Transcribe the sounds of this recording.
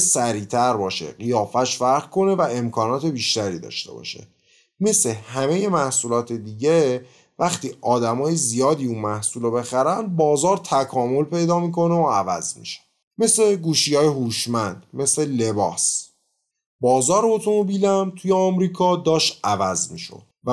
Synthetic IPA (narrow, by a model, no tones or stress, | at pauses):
sæɾiːt̪ʰæɾbɒːʃḛɢijɒːfæʃfæɾɣkʰo̞ne̞væe̞mkʰɒːnɒːt̪ʰe̞biːʃt̪æɾiːd̪ɒ̰ʃt̪e̞̰bɒ̰ːʃḛ | me̞slehæme̞je̞mæhsuːlɒːt̪ʰed̪iːɟe | væxt̪ʰiːʔɒːd̪æmɒːjezijɒːd̪iːunmæhsuːlobe̞xæɾænd̪̚bɒːzɒːɾt̪ʰækʰɒːmo̞lpe̞jd̪ɒːmiːkʰo̞neoævæ̰zmḭʃe̥ | me̞sle̞ɡuːʃiːjɒːjeɦuːʃmænd̪̥me̞slele̞bɒːs | bɒːzɒːɾbot̪ʰunobiːlæmt̪ʰujeɒmɾiːkʰɒːd̪ɒːʃtævæzmiːʃo̰d̪̥væ